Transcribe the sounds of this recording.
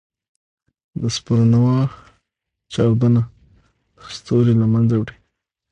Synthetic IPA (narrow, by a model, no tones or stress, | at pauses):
d̪əspəɾanawɑx | t͡ʃɑwd̪əna | d̪əst̪oɾelamanzawɽi